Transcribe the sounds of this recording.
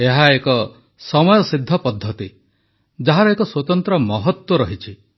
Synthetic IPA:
eɦaekɔ | sɔmɔjɔsid̪ʱːɔpɔd̪ʱːɔt̪i | d͡ʒaɦaɾɔekɔswɔt̪ɔnt̪ɾɔmɔɦɔt̪wɔɾɔɦit͡ʃʰi

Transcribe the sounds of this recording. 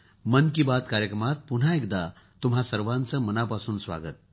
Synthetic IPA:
mənkibat̪kaɾjəkɾəmat̪̚puɽ̤aekd̪a | t̪um̤ɦasəɾʋãnt͡səmənapasuːnsʋa̰ɡət̪̚

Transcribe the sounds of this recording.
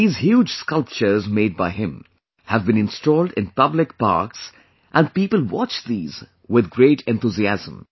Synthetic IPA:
iːzhjuːd͡ʒskʌlp̚t͡ʃə˞zmeːd̚baɪɦɪ̃m | hævbɨ̃nɪ̃nsʈɔːlɖɪ̃npʌblɪkpa̰ɾks | ʔæ̃n̚piːpəlˠwɑt͡ʃd̪iːz | wɪðɡɾeːʈʰɛ̃nt̪uːziæzə̰̃m

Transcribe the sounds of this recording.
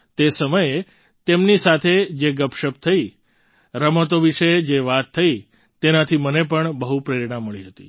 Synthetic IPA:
t̪esəməje | t̪emnisat̪ʰed͡ʒeɡəpʃəp̚t̪ʰəi | ɾəmət̪̬oʋiʃəd͡ʒeʋat̪ʰːəi | t̪enat̪ʰimənepəɳbəɦupɾeɾiɽ̃ɳ̃ãmːəɭiɦət̪ḭ

